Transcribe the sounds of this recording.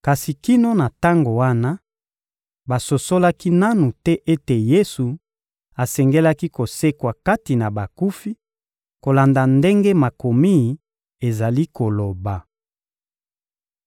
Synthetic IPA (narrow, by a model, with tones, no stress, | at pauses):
ka˨si˨ki˦no˦na˨ta˦ŋɡo˨wa˦na˦ | ba˨so˨so˦la˦ki˦na˦nu˨tɛ˦ʔe˦te˨je˦su˨ | a˨sɛ˨ŋɡe˦la˦ki˦ko˨se˦kwa˨ka˦ti˨na˨ba˨ku˦fi˦ | ko˨la˨nda˨nde˦ŋɡe˦ma˨ko˨mi˦˨ | e˨za˨li˦ko˨lo˨ba˨